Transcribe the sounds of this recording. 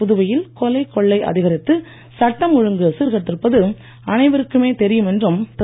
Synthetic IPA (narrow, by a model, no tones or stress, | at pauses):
ʊðɯʋɐjɪlkɔlɐɪkːɔɭːɐɪʔɐ̰ðɪɣɐɾɪt̪ːɯ | sɐʈːɐmʊɻɯŋɡɯsiɾɣɐt̪ːɪɾɯpːɐðɯ | ɐnɐɪʋɐɾɯkːɯmeːt̪ɛɾɪjɯmɛndrɯmt̪